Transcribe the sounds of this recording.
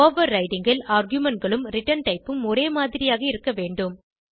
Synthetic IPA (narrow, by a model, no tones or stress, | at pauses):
oːʋɐɾːɐɪʈɪŋɡɐlaːɾɡjʊmɛɳʈ̚ɡɐɭɯmɾɪʈːɐɳʈɐɪpːɯmɔɾeːmaːðɪɾɪjaːɣɐɪɾɯkːɐʋeːɳɖɯm